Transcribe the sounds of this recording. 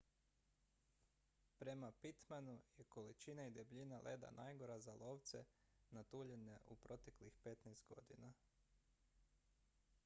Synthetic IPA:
pɾe̞mapit̪manujeko̞lit͡ʃinaid̪ebʎinalʔeːd̪a̰nʔajɡo̞ɾazalˠo̞ʋt̪se̞̰ | nat̪uːʎe̞neʔupɾo̞t̪e̞klixpe̞t̪najst̪ɡo̞̰d̪ina

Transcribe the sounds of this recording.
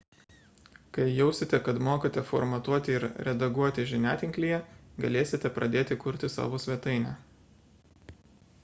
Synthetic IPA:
kɐɪjɛʊsʲɪt̪ʲɛkɐt̪moːkɐt̪ʲɛfɔɾmɐt̪uɔt̪ʲɪɪɾɾʲɛd̪ɐɡuɔt̪ʲɪʒʲɪnʲæːt̪ʲɪŋʲklʲiːjɛɡɐlʲeːsʲɪt̪ʲɛpɾʔɐd̪ʲeːt̪ʲɪkʊɾʲt̪ʲɪsɑ̰ːʋoːsʲʋʲɛt̪ɐɪnʲæ

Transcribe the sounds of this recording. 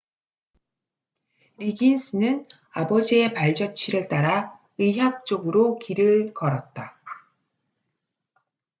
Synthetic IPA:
ɾiɡinsʰɯnɯn | abʌd͡ʑie̞paɭd͡ʑʌt͡ɕʰiɾɯɭt͈aɾa | ɯɦak̚t͡ɕ͈oɡɯɾokiɾɯɭkʌɾʌt̚t͈a

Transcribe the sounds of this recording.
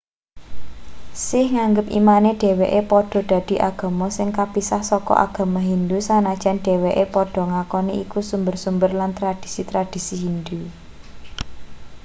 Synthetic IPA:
sɪhŋaŋɡəpḭmaneɖ̥e̤weʔepɔɖ̥ɔ̤ɖ̥ä̤d̪̥i̤ʔaɡ̥ä̤mɔsɪŋkapisahsɔkɔ̰ʔa̰ɡ̥ä̤maɦind̪usanad̥ʒ̥a̤nɖ̥e̤weʔepɔɖ̥ɔ̤ŋakɔneikusumbərsumbərlant̪ɾad̥i̤̥sit̪ɾad̥i̤siɦind̪u

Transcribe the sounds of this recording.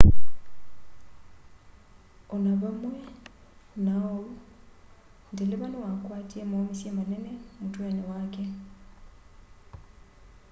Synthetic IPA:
ʊnabamwɛnaɔʊ | ndilɪbalɪwakʼwatʼiemoisiemanɛnɛm̩tʼwɛnɛwaːkʼɛ

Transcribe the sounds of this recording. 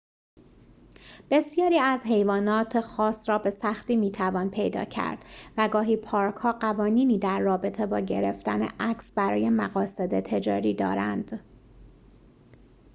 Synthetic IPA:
b̥e̞sijɒːɾiːæzɦe̞jvɒːnɒːt̪ʰexɒːsɾɒːbe̞sæxt̪iːmiːt̪ʰævɒːnpʰe̞jd̪ɒ̰ːcʰæ̰ɾd̪̥væɡɒːɦiːpʰɒːɾkʰhɒːɢævɒːniːniːd̪æɾːɒːbe̞t̪ʰe̞bɒːɟe̞ɾeft̪ænḛʔæcsbæɾɒ̰ːje̞mæɣɒːsed̪et̪ʰe̞d͡ʒɒ̰ːɾiːd̪ɒ̰ːɾænd̪̥

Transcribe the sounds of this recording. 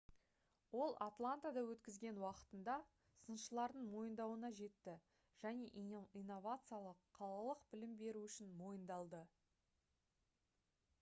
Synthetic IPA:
wo̞lˠʔat̪lˠant̪ad̪ɑwɵt̪kʲɪzɡʲe̞nwɑqə̥t̪ənd̪ɑ | sənʃəlˠɑɾd̪əɴmo̞jənd̪ɑwənɑʒe̞t̪ːɪ | ʒ̥æne̞ʔijnːo̞vat̪sɨjalˠəqʰːɑlˠɑlˠəqbɪlɪmbe̞ɾuʏʃɪnmo̞jənd̪ɑlˠd̪ə

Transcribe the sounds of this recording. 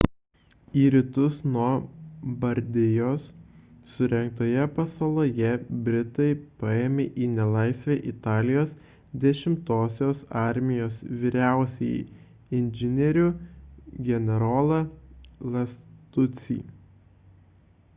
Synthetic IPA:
iːɾʲɪt̪ʊsnuɔbɐɾʲd̪ʲɪjoːsː | ʊɾʲɛŋk̚t̪oːjɛpɐsolˠoːjɛbʲɾʲɪt̪ɐɪpɑːeːmʲeʔiːnʲɛlˠɐˑɪsʲʋʲeːʔɪt̪ɑːlʲɪjoːs | d̪ʲɛʃʲɪmt̪oːsʲoːsɑˑɾʲmʲɪjoːsʋʲiɾʲæˑʊsʲɛj | ɪnʲd͡ʒʲɪnʲɛɾʲʊ | ɡʲɛnʲɛɾoːlˠɐlˠɐst̪ʊt̪sʲḭː

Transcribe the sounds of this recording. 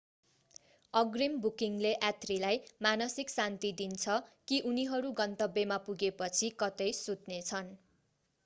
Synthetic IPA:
ʌɡrimbukiŋleʔat̪rilajmanʌsiksant̪id̪int͡sʰʌkiʔuniɦʌɾuɡʌnt̪ʌbemapuɡepʌt͡sʰikʌt̪ʌjsut̪net͡sʰʌn

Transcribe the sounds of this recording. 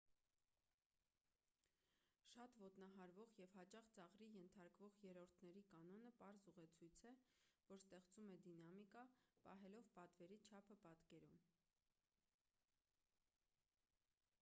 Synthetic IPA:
ʃɑt̪vɔt̪nɑɦɑɾvɔʁjɛvhɑt͡ʃɑχt͡sɑʁɾijɛnt̪ʰɑɾkvɔʁjɛɾɔɾt̪ʰnɛɾikɑnɔnəpɑɾzuʁɛt͡sʰujt͡sʰɛvɔɾst̪ɛχt͡sumɛd̪inɑmikɑpɑ̰ɦɛlɔvpɑt̪vɛɾit͡ʃʰɑpʰəpɑt̪kɛɾum

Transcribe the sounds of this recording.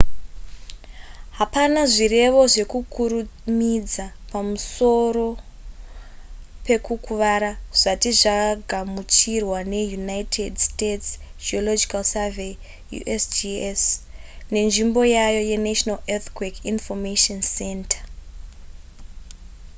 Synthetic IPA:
ɦapanaʐire̞ʋo̞ʐe̞kukuɾumid͡za | pamuso̞ɾo̞ | pe̞kukuʋaɾaʐ̥atiʐaaɡʱamut͡ʃirwane̞junajtʰedstets | d͡ʒiolo̞d͡ʒikalsave | jṵʔesd͡ʒesne̞nʐimbo̞jajo̞je̞naʃonalet̪kwekinfomeʃonse̞ntḁ

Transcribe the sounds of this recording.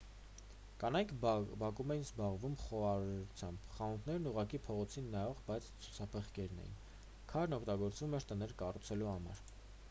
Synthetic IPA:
kɑnɑjkʰbɑkumɛjinzbɑʁvumχɔɑɾɾut͡sʰjɑmbχɑunt̪ʰnɛɾnuʁɑkipʰɔʁɔt͡sʰinːɑjɔʁbɑjt͡sʰt͡sʰu̥t͡sʰɑpʰəχkɛɾnɛ̰jḭn | kʰɑɾnɔkʰt̪ɑɡɔɾt͡svumɛɾt̪ənɛɾkɑrut͡sʰɛluhɑmɑ̰ɾ

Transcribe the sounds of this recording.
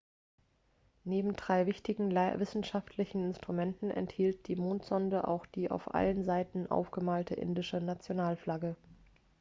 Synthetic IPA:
neːbm̩dʁaɪvɪçtɪɡŋ̩vɪsn̩ʃaftʰlɪçn̩ɪnstʁ̥umɛntn̩ʔɛ̰nthiːlt̚d̥iːmoːntz̥ɔndəʔa̰ʊxd̥iːʔa̰ʊfʔa̰lənzaɪtn̩ʔa̰ʊfɡ̥əmaːltʰəʔɪ̰ndɪʃənat͡sjonaːlflaɡə

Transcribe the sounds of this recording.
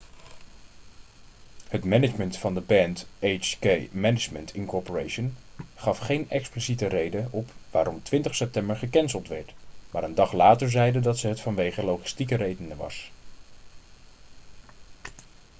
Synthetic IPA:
hətmɛnɪd͡ʒməntfɑndəbɛntejt͡ʃkejmɛnɪd͡ʒməntʰɪŋnkɔɹpoɹejʃənχɑfχejnɛksplisitərejdəɔpʋaːɾʔɔmtʋɪntəχsɛp̚tɛmbəɹχəkɛnzəlˠtʋɛ̰ɹtmaːɾəndɑχlaːtəɹzɛjdədɑtsəɦətfɑnʋejχəlowχɪ̥stikərejdənəʋɑ̰s

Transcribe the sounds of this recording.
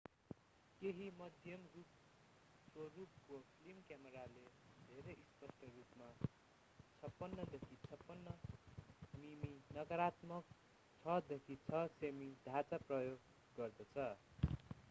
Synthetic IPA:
keɦimʌd̪ʱjʌmrup̚ | korup̚kopʰilimkjamʌɾaled̪ʱeɾeispʌsʈʌrupma | t͡sʰʌpːʌnːʌd̪ekʰit͡sʰʌpːʌnːʌ | miminʌɡʌɾat̪mʌk̚ | t͡sʰʌd̪ekʰit͡sʰʌsemid̪ʱat͡saprʌjoɡ | ɡʌrd̪ʌt͡sʰʌ

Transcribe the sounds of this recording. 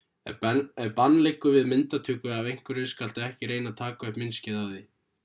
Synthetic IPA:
ɛ̰ɛɾpanːlekːʏvɪðmɪnt̪at̪ʰʏkʏavejŋ̥kʏɾʏskal̥t̪aɛhcɪɾejnat̪ʰaːkaɛhpmɪnscɪðavði

